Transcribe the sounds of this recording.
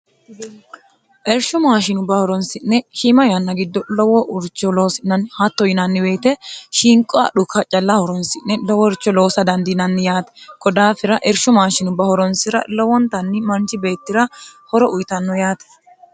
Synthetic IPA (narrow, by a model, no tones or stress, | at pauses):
ʔɛɾʃʊmaːʃɪnʊbɐhɔɾɔnsɪnːɛʃɪmɐjɐnːɐɡɪd̪ːɔlɔwɔʔʊɾt͡ʃːɔlo̞ːsɪnːɐnhɐt̪ːɔjɪnɐnːɪweːt̪ɛʃiŋkʼɔɐ̰ɗʊkːɐt͡ʃʼɐlːɐhɔɾɔnsɪnːɛlɔwɔɾt͡ʃːɔlo̞ːsɐd̪ɐnd̪ɪnɐnːɪjaːt̪ɛ̥kɔd̪aːfɪɾɐʔɛɾʃʊmaːʃɪnʊbɐhɔɾɔnsɪɾɐ̰lɔwɔnt̪ɐnːɪmɐnt͡ʃːɪbe̞ːt̪ːɪɾɐhɔɾɔʔʊjt̪ɐnːɔjaːt̪ɛ̥